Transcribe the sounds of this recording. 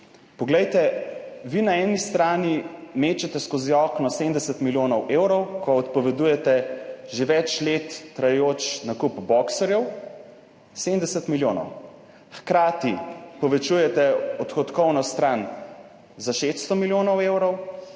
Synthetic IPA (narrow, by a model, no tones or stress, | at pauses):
pɔɡlɛjt̪ɛʋinaɛnist̪ɾaːnimeːt͡ʃɛt̪ɛskoziɔknɔsemd̪ɛsɛt̪miljoːnɔwʔewɾɔwkɔːt̪̚pɔʋɛd̪ujɛt̪ɛʒeʋɛt͡ʃlet̪ːɾajɛjoːt͡ʃnakupbɔksɛɾjɛw | semd̪ɛsɛt̪miljoːnɔ̰w | xkɾaːt̪ipɔʋɛt͡ʃujɛt̪ɛɔt̪xɔt̪kɔwnɔst̪ɾaːn | zaʃest̪st̪ɔmiljoːnɔwewɾɔw